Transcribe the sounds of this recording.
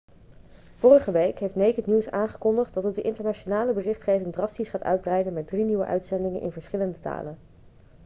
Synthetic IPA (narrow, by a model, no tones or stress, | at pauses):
v̥ʊːrəχəʋejkɦejftnejkətniwsaːŋχə̥kɔndəχt̚dɑtədəʔɪntəɹnaʃonaːləbərɪχtχejvɪŋdrɑstisχaːtœ̰ɥd̚brɛjdənmɛt̚driniʋə̰ʔœ̰ɥtsɛndɪŋənʔɪ̰nvəɹsχɪləndəta̰ːlən